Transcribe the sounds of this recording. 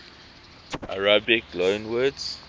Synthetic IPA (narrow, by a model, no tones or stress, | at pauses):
ʔaɹabiklõnwədz